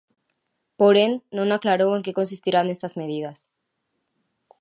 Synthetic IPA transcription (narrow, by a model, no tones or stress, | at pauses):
poɾenːõŋaklaɾoweŋkeko̞ns̬ist̪iɾanest̪azmeðið̞as